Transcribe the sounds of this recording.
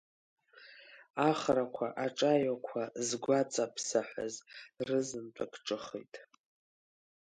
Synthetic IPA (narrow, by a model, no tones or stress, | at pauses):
aχrakʷʰaʔaʈ͡ʂʼajakʷʰazɡʷat͡sʼapʰsaħʷa̰zrɨzɨntʷʼʰakʰʼʈ͡ʂʼɨχḭjtʼ